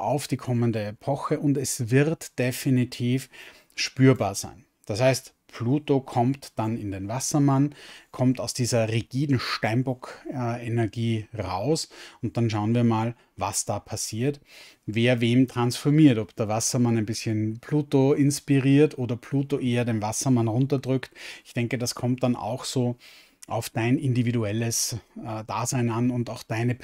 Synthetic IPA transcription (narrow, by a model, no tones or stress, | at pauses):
ʔaʊfd̥iːkʰɔməndəepʰɔxəʔʊntɛsvɪʁtd̥efinitʰiːf | ʃpyːɐbaːɐzæ̰ɪn | d̥ashæɪst | pʰluːtokʰɔmtd̥anɪndenvasɐmankʰɔmtaʊsd̥iːzɐʁiɡ̥iːdn̩ʃtaɪnbɔkenɛɐɡiːʁa̰ʊsʊnt̚d̥anʃ̬aʊənviːɐmaːl | vasd̥aːpʰasiːɐt | veːɐveːmtʁ̥ansfɔɐmiːɐtɔpd̥eːɐvasɐmanæɪnbɪsçənpʰluːtoɪnspiʁiːɐtʔoːdɐpʰluːtoʔeːɐdenvasɐmanʁʊntɐdʁʏktɪçd̥ɛŋkəd̥askʰɔmtd̥ana̰ʊxsoː | ʔaʊfd̥aɪnɪndividuɛləsd̥a̰ːzaɪnanʊntaʊxd̥aɪnə